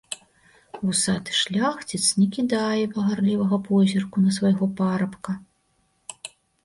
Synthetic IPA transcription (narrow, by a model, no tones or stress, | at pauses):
usat̪ʂlʲaxt͡sʲit̪snʲɛkʲid̪ajɛpɐɣarlʲivɐɣɐpɔzʲirkunɐsvajɣɔpaɾɐpkɐ